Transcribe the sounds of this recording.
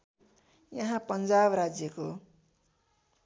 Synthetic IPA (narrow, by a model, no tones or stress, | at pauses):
jʌɦãpʌnd͡zabɾad͡zjʌko